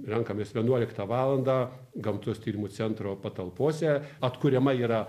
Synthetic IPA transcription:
rʲɛŋkɐmʲeːsʋʲiɛnuɔlʲɪkt̪ɑʋɑːlˠɐnd̪ɑː | ɡɐmt̪ʊst̪ʲiːɾʲɪmut͡s̪ʲɛnt̪ɾoːpɐt̪ɐlˠpoːsʲɛɐt̪kʊɾʲɛmɐiːɾɐ

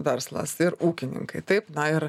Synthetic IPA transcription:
ʋʲɛɾslˠɐ̰sɪɾuːkʲɪnʲɪ̰ŋkɐɪt̪ɐɪpnɐɪɾ

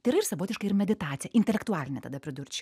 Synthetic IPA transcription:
t̪ʲɐɪiɾɐɪrsɐʋoːt̪ʲɪʃkɐɪɾmʲɛd̪ʲɪt̪ɑːt̪sʲjɛʔɪnʲt̪ʲɛlʲɛkt̪ʊɑːlʲɪnʲɛt̪ɐd̪ɐpʲɾʲɪd̪ʊɾʲt͡ʃʲ

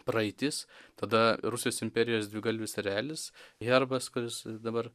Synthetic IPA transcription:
pɾɐɪt̪ʲɪst̪ɐd̪ɐɾusʲɪjoːsɪmʲpʲɛɾʲɪjoːsd̪ʲʋʲɪɡɐlʲʋʲɪsɐɾʲæːlʲɪsɣɛɾbɐskʊɾʲɪsd̪ɐbɐr

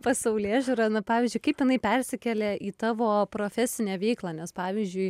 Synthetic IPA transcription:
pɐsɐʊlʲeːʒʲuːɾɐnʊpɑːʋʲiːzʲd͡ʒʊɪkɐɪpjɪnɐɪpʲɛrʲsʲɪkʲɛlʲeːʔiːt̪ɑːʋoːpɾoːfʲɛsʲɪnʲeɛːʋʲɛɪklˠɑːnʲɛspɑːʋʲiːzʲd͡ʒʲʊɪ

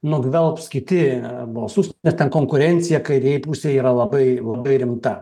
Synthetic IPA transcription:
nʊɡʋʲɛlˠpskʲɪt̪ʲɪbʊʋosuːsʲt̪nʲɛst̪ʲɛnkoːŋkʊɾʲɛnʲt̪sʲɪjɛkɐɪɾʲeɛjɪpusʲeːjiːɾɐlˠɐbɐɪlˠɐbɐɪɾʲɪmt̪ɐ

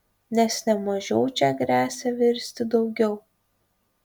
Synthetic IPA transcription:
nʲɛsnʲɛmɐʒʲɛʊt͡ʃʲɛɡɾʲæːsʲɛʋʲɪɾʲsʲt̪ʲɪd̪ɒʊɡʲɛʊ

